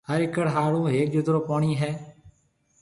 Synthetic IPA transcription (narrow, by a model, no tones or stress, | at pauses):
həɾɪkəɽɦaːɽũːɦeːk̚d͡ʒʊd̪ɾoːpaːɳiːɦɛː